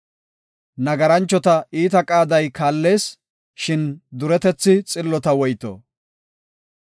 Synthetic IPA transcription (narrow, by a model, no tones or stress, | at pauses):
nɐɡɐɾɐnt͡ʃːɔt̪ɐiːt̪ɐkʼaːd̪ɐjkaːlːe̞ːs | ʃɪnd̪ʊɾɛt̪ɛt͡sːɪt͡sʼɪlːɔt̪ɐwɔjt̪ɔ̰